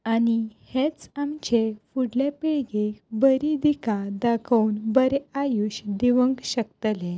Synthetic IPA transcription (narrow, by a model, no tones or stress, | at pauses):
anihet͡samt͡ɕefuɽlepiɭɡebəɾid̪ikad̪akʰəwnbəɾeajuɕd̪iʋəŋɡɕəkt̪əlẽ